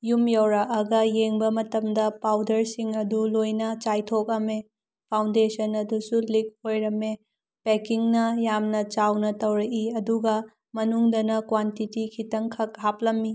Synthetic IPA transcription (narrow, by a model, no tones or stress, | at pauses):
jumjɐwɾɐʔɐɡɐjeŋbɐmɐtɐmdɐpawdɐɾsiŋɐdulojnɐt͡ʃajtʰok̚ɐme | pʰawndesɐnɐdusulik̚hojɾɐme | pekiŋnɐjamnɐt͡ʃawnɐtɐwɾɐʔiɐduɡɐ | mɐnuŋdɐnɐkwantitikʰitɐŋkʰɐk̚hap̚lɐmːi